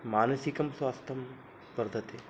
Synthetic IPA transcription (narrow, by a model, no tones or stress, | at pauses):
maːnɐsikɐmswaːst̪ʰɐm | bɐɾd̪ʱɐt̪e